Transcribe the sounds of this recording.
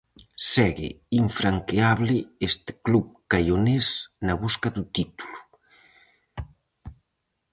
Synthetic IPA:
sɛɣḛiɱfɾaŋkeaβlɪest̪ɪ̥klupkajonesnaβuskaðut̪it̪u̥lu̥

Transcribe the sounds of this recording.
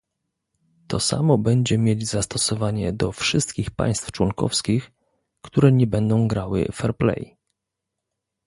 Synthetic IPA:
t̪ɔsa̰mɔbɛɲd͡ʑɛmʲjed͡ʑzast̪ɔsɔvaɲɛd̪ɔfʂɘst̪kʲixpa̰j̃st̪ft͡ʂwɔŋkɔ̰fskʲix | kt̪uɾɛɲɛbɛnd̪ɔ̃w̃ɡɾawɘ̰fɛɾplɛ̰j

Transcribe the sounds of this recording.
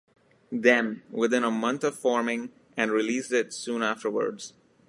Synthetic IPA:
d̪ɛ̃nwɪðɪ̃nəmʌ̃nt̪ʌv̥fɔːɹmɪ̃ŋ | ʔɨ̃nɹɪliːsdɪtsũːnæfʈə˞wə̰˞dz̥

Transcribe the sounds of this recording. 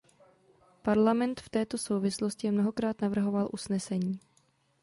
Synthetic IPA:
paɾlamɛnt̪ft̪ɛːt̪o̞so̞wvɪslo̞scɪɛmno̞ɦo̞kɾaːt̪navr̩ɦo̞valʔusnɛsɛɲiː

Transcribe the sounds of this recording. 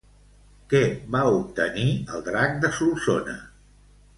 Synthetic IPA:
kɛβaup̚t̪əniəlˠd̪ɾak̚d̪əsulˠsonə̰

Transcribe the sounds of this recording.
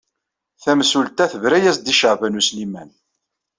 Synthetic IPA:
θæmsult̪æθəvɾæjæsd̪iʃəʕvænuslimæn

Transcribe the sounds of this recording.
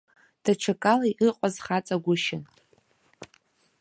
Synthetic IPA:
d̥aʈ͡ʂʷʰakʼalaiʔɨqʷʼazχat͡sʼaɡʷʊʃɪn

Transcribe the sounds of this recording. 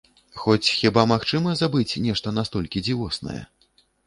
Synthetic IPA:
xɔt͡sʲxʲibamaxt͡ʂɨmɐzabɨt͡sʲnʲɛʂt̪ɐnast̪ɔlʲkʲid͡zʲivɔsnɐ̰jɛ̰

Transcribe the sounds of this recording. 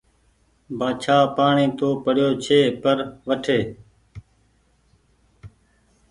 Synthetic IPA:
bʱaːt͡ʃʰaːpaːɳiːt̪oːpəɽjoːt͡ʃʰeːpəɾʋəʈʰeː

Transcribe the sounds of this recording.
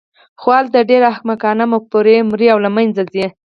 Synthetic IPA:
xwɑlt̪aɖeɾakmakɑnamapoɾemɾiawlamajnd͡zazi

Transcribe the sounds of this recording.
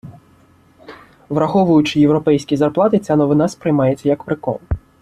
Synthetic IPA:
ʋɾɐxɔʋʊjʊt͡ʃɪjewɾɔpɛjsʲkʲizɐrplˠɑt̪ɪt͡sʲanɔʋɪnaspɾɪjmɑjet͡sʲːɐjɐkpɾɪkɔ̰nˠ

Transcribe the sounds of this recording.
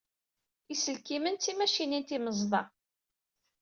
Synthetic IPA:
isəlkimənt͡sːimæʃinint̪iməzˤðˤɑ

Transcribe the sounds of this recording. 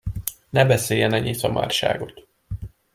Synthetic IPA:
nɛbɛseːjɛnɛɲeːsɒma̰ːrʃa̰ːɡo̞t̪

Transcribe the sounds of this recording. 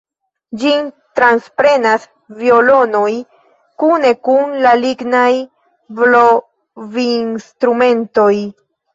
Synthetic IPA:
d͡ʒin | t̪ɾanspɾe̞nas | vio̞lo̞no̞j | kune̞kunlaliɡnaj | vlo | vinstɾume̞nto̞j

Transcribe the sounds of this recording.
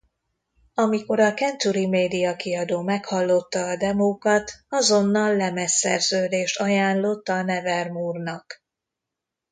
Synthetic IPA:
ɒmiko̞ɾɒkɛnt̪uɾimeːd̪ijɒkiɒd̪oːmɛkhɒlːo̞t̪ːɒːd̪ɛmoːkɒt̪ɒzo̞nːɒlːɛmɛsɛ̰rzøːd̪eːʃt̪ɒjaːnlo̞t̪ːɒnɛvɛrmuːrnɒk

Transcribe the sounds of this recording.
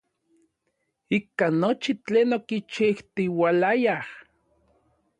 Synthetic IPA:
ikanːot͡ʃit͡ɬeːnokit͡ʃiht̪iwalajah

